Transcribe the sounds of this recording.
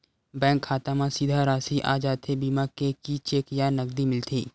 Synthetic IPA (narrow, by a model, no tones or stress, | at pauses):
bɛ̃ːŋkʰːaːt̪amãsid̪ʱaɾaːsiʔa̰ːd͡ʒaːt̪ʰebimakekit͡ʃeːkjanɐɡ̚d̪imɪlt̪ʰiː